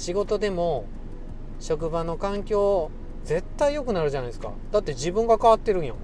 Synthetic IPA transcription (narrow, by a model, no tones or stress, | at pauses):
ɕiɡo̞t̪o̞d̪e̞mo̞ | ɕo̞k̬ɯ̟bano̞kãŋkʲo̞ː | d͡ze̞t̪ːaijo̞kɯ̟naɾɯ̟ʑanaisɨ̥ka̰d̪at̪ːe̞d͡ʑibɯ̃ŋɡakaβat̪ːe̞ɾɯ̟̃ɰjo̰